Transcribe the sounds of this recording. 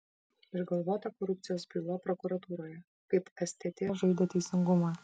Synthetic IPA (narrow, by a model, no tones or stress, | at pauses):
ɪʒɡɐlˠʋoːt̪ɐkɔɾup̚t̪sʲɪjoːsbʲilˠɐpɾɔkuɾɐt̪uːɾoːjɛ | kɐɪpɛsʲt̪ʲet̪ʲeʒɐɪd̪ɐt̪ʲɛɪsʲɪŋɡʊmɑ